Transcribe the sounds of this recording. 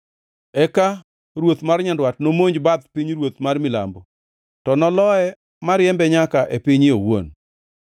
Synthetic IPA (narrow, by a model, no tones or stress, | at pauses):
ɛka | ɾwot̪marɲandwatnomoɲd͡ʒbaðpiɲɾwot̪marmɪla̰mbo | tɔnɔlɔɛ | maɾjɛmbɛɲakaʔepiɲɪowo̰n